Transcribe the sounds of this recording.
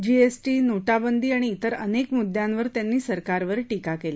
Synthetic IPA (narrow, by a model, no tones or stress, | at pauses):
d͡ʑiesʈiːnoʈabənd̪ʱiːaɽ̃iːt̪əɾənekmud̪jãnʋəɾt̪janːiːsəɾkaɾʋəɾʈikakele